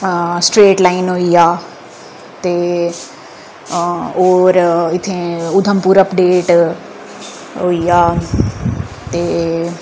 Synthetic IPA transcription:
sʈɾeːʈlaːinɦoːijaː | t̪eː | oːɾɪt̪ʰːẽʊd̪ʱəmpuːɾəpɖeːʈ | ɦoːijaː | t̪eː

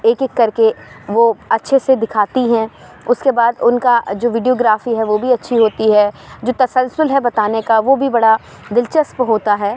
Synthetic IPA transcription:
eːkɪkːɐɾkeʋoɐtːʃʰesed̪ɪkʰaːt̪iɦɛ̃ | ʊskebaːd̪ʊnkad͡ʒoːʋɪɖijoːɡɾaːfiɦɛʋobʱiɐtːʃʰiɦoːt̪iɦɛː | d͡ʒoːt̪ɐsəlsʊlɦɛbɐt̪aːnekaʋobʱibɐɽa | d̪ɪlt͡ʃəspɦoːt̪aɦɛː

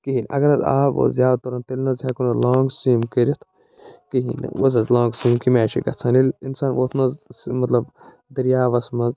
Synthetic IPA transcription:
kiɦinʔɐ̰ɡɐɾɐzaːbo̰zjaːd̪t̪oɾɐnt̪elʲnɐzɦakunɐlaːŋɡsiːmkiɾɐt̪ʰ | kiɦḭnɐ̰wozɐzlõːŋɡsiːmkimeːʃḭkɐ̰t͡sʰɐnilinsaːnʋoːt̪ʰnɐzmɐt̪lɐb | d̪ɐɾjaːʋɐsmɐz

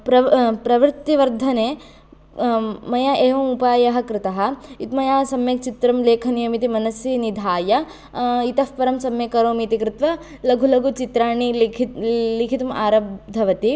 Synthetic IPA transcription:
pɾɐpɾɐʋɾt̪ːiʋɐɾd̪ʱɐneː | mɐjɐʔeːʋɐmupaːjɐɦɐkɾɪt̪ɐɦɐ̆it̪mɐjaːsɐmjɐkt͡ʃit̪ɾɐmleːkʰɐnijɐmit̪imɐnɐsjinid̪ʱaːjɐ | it̪ɐfpɐɾɐmsɐmjɐkɐɾoːmit̪ikɾɪt̪ʋɐ | lɐɡʱulɐɡut͡ʃit̪ɾaːɳilʰlikʰit̪uma̰ːɾɐbd̪ʱɐʋɐt̪i

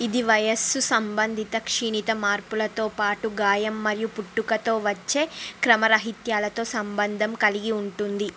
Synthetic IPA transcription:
id̪iʋɐjɐsusɐmbɐnd̪ʱit̪ɐkʂiɳit̪ɐmaːɾpulɐt̪o̞ːpaːʈuɡaːjɐmːɐɾijupuʈːukɐt̪o̞ːʋɐt͡ʃːe̞ːkɾɐmɐɾɐɦit̪jaːlɐt̪o̞ːsɐmbɐnd̪ʱɐmkɐliɡiuɳʈund̪i

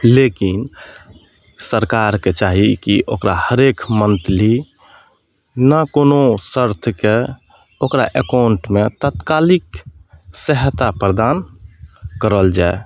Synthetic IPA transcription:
lekin | səɾkaɾket͡ʃaɦikiʔokɾahəɾekmənt̪li | nəkonosəɾt̪ʰəke | okɾaʔekaʊɳʈmet̪ət̪kalik | səɦt̪apɾəd̪an | kəɾəld͡ʒae

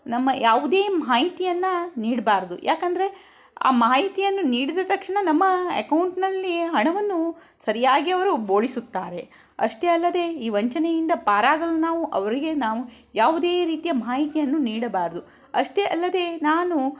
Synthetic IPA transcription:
nɐmːɐjaːʋud̪eːmaːɦit̪ijɐnːɐniːɽɐbaːɾd̪ṵjʔaːkɐnd̪ɐɾe̞ | a̰ːmaːɦit̪ijɐnːuniːɽid̪ɐt̪ɐkʂɳɐnɐmːɐɐ̰kɐwɳʈnɐlːiɦɐɳɐʋɐnːu | sɐɾijaːɡiɐʋɐɾuboːɭisut̪ːaːɾe̞ | ɐʂʈe̞ɐlːɐd̪e̞iːʋɐɲt͡ʃɐnejind̪ɐpaːɾaːɡɐlunaːʋuʔɐʋɐɾiɡe̞naːʋu | jaːʋud̪e̞ːɾiːt̪ijɐmaːɦit̪ijɐnːuniːɽɐbaːɾɐd̪u | ɐʂʈeʔɐlːɐd̪e̞ːnaːnu

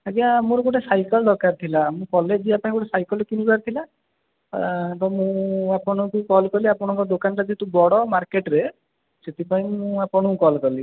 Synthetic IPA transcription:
aɡiamɔ̃ɾɔɡoʈesajkɔld̪ɔkaɾt̪ʰilamũkɔled͡ʒiapãĩɡɔʈesajkɔlekinukaɾt̪ʰila | t̪ɔmũapɔɽ̃ɔkukɔlkɔliapɔɽ̃ɔ̃ŋkɔd̪okanɔt̪ad͡ʒet̪ubɔɽɔmaɾkeʈɾe | set̪ipaĩmũapɔɽ̃ɔkɔlkɔli

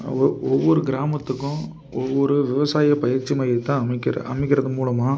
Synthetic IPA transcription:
ɔʋːɔɾɯɡɪɾaːmɐt̪ːɯkːʊ̃ | ɔʋːɔɾɯʋɪʋɐsaːjɐpɐjɐɾt͡ʃːimɐɪɯt̪ːãːɐmɪkːɪɾɐ̰ɐ̰mɪkʲːɪɾɐðɯmuːlɐmaː

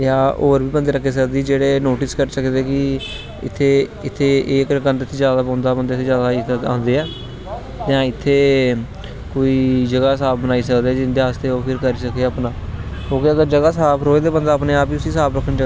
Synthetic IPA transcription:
jaːʔoːɾbiːbənd̪eːɾəkʰːeːsəkd̪iːd͡ʒeːɽeːnoːʈɪskəɾsəkd̪eːkɪ | ɪ̰t̪ʰːeːɪt̪ʰːeːʔeːkkənt̪ɪt̪ʰːeːd͡ʒjaːd̪aːpãːnd̪aːbənd̪eːɪt̪ʰːeːzjaːd̪aːisəã̰ːnd̪eːɛː | t̪jãːɪt̪ʰːeː | koːiːd͡ʒəɡaːsaːp̚ʰbənaːiːsəkd̪eːɛːd͡ʒɪnd̪eːaːst̪eːoːpʰɪɾkəɾiːsəkeəpnãːoːkiəɡəɾd͡ʒəɡaːsaːpʰɾoːed̪eːbə̃nd̪aːpneːaːpiːʊsiːsaːpɾəkʰːənd͡ʒə

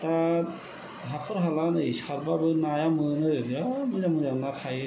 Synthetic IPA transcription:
ta | ɦapʰɯɾɦalanɯjskʰaɾbabɯnajamɯnɯɡiɾamɯzamɯzanakʰaj

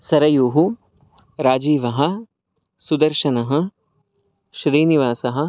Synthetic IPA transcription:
sɐɾɐjuːɦu | ɾaːd͡ʒiːʋɐɦɐ̆ | sud̪ɐɾʃɐnɐɦɐ̆ | ʃɾiːniʋaːsɐɦɐ̆

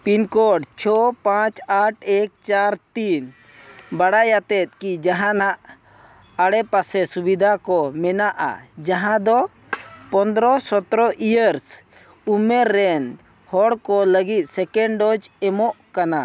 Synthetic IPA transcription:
pinkɔɖt͡ʃʰɔpãt͡ʃaʈʰɛk̚t͡ʃaɾt̪in | baɽajat̪ɛt̪̚ˀkid͡ʒaɦãnaʔ | aɽɛpasɛsubid̪ʱakɔmɛnaʔa̰d͡ʒaɦãd̪ɔ | pɔnd̪ɾɔsɔt̪ɾɔʔijəɾs | umɛɾːɛn | hɔɽkɔləɡit̪̚ˀsɛkɛɳɖɔd͡ʒɛmɔʔkana

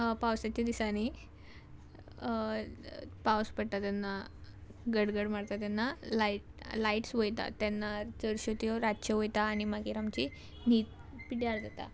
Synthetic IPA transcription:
pawsat͡ɕad̪isañi | pawspəɽt̪at̪janːa | ɡəɽɡəɽmaɽt̪at̪janːalaʈ̚laiʈsʋəjt̪a̰t̪janːaɾt͡səɾɕot̪ijoɾaɕəʋojt̪aːɽ̃imaɡiɾamt͡ɕi | niːt̪ | piʈjaɭd͡zat̪a̰

